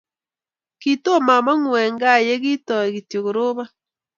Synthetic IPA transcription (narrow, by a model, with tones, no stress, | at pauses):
ki˦to˦ma˨ma˦ŋwɛ˨ŋɡa˦˨je˦ɣi˦tɔ˨ɣi˨tjo˨ɣo˨ɾo˦βa˦